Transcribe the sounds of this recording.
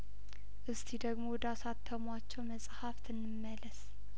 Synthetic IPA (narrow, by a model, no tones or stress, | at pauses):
ʔɨst̪ʰid̪əɡmowd̪asat̪ʰːəmwat͡ʃːɛwməsʼhaft̪ʰɨnːɨmːələs